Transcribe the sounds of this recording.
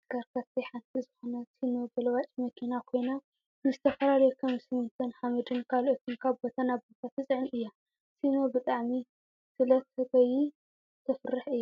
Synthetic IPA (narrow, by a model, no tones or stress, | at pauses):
kɐɾkʰat̪ʰiħant̪ʰizɨxonɐsʰino̞b̪ɐlɐwat͡ʃʼmɐkʰinakʰo̞jna | nɨzɨt̪ʰɐfɐlalɐjukʰɐmsɨmːɨnt̪ʰɐnħamɐd̪ɨnkʰalot̪ʰunkʰaβbot̪ʰɐnabot̪ʰat̪ɨsʼɨʕniʔɨjːa | sino̞bɨt̪ʼaʕmi | sɨlɐt̪hɨt̪ʰɐji | t̪ʰɐfɨrɨħʔɨjːa